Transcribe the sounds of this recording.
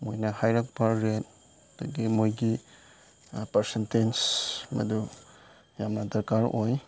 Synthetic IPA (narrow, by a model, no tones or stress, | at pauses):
mojnɐhajɾak̚baɾet̚ | duɡimojɡi | pəɾsentensmɐ̰du | jamnad̪ɐɾkaɾoj